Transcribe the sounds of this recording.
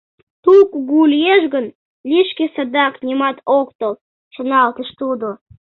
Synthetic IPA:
t̪ukɡulʲjeʃɡən | lʲiʃkʲesɑd̪ɑknʲimɑt̪okt̪əl | ʃənɑlt̪əʃt̪ud̪o

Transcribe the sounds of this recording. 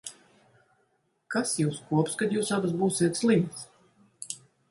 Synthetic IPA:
kasjuːskuɔpskad̪juːsabas̬buːsiɛt̪slˠimt̪s

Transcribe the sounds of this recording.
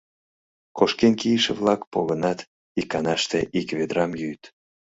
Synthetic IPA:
koʃkenkijəʃḛβlɑkpolənɑt̪ | ikːɑnɑʃt̪eʔikβed̪ɾɑmjyjt̪

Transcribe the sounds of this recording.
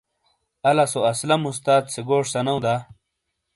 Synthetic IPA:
ɐlasoɐslɐmus̬t̪aːt̪seɡoːʂsɐnɐwd̪a

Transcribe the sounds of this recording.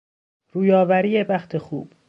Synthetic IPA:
ɾuːjɒːvæɾiːjebæxt̪ʰe̞xṵːb̥

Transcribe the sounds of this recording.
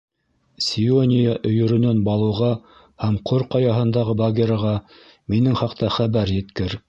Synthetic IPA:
sʲionʲɪjaʔɵ̆jɵ̆ɾɵ̆nænbɑlˠɤ̆wʁɑ | hæmqʰoɾqɑjɑɦɤ̆nd̪ɑʁɤbaɡʲeɾɑʁɑ | minɘŋχɑqt̪ɑχæβæɾjɘ̆t̪kɘɾ

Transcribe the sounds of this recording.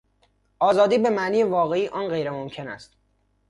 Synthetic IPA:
ʔɒːzɒːd̪iːbe̞mæʔniːjevɒːɣe̞iːʔɒːnɢe̞jɾemomcʰe̞næ̰st̪

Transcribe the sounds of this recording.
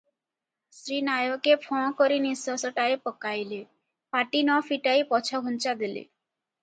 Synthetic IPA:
sɾinajokepʰɔ̃koɾinisɔsɔʈaepɔkajle | paʈinɔfʰiʈajpɔt͡ʃʰɔɡʱunt͡ʃad̪elḛ

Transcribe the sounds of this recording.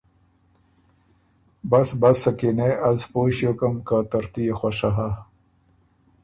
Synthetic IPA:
bɐsbɐsɐkineʔɐzpoːɕjokɐmkat̪ɐɾt̪ijexwɐʂaɦa

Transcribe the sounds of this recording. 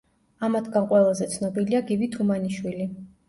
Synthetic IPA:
amat̪ʰɡanqʼwɛlˠazɛt̪sʰnɔbiliaɡibit̪ʰumaniʃwili

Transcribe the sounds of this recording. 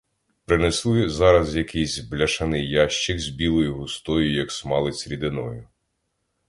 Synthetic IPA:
pɾɪnɛslˠɪzɑɾɐzjɐkijzʲblʲɐʃɐnɪjɑʃt͡ʃɪɡzʲbʲilˠɔjʊɦʊst̪ɔjʊjɐksmɑlˠɪsʲɾʲid̪ɪnɔjʊ

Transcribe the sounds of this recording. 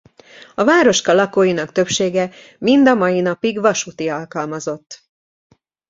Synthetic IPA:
ɒvaːɾo̞ʃkɒlɒkoːjinɒkt̪ø̞pʃeːɡɛ | mind̪ɒmɒjinɒpiɡvɒʃut̪iɒlkɒlmɒzo̞t̪ː

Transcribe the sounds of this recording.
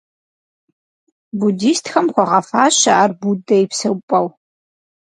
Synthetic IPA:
budiːstxɐmχʷɔʁɐfaːɕɐʔarbudɐjɪpsɐwpʼɐw

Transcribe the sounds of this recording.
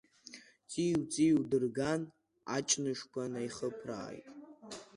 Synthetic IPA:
t͡sʼiwt͡sʼiwdɨrɡan | a̰t͡ʃʼnɨʂkʷʰanajχəpʰra̰ːjtʼ

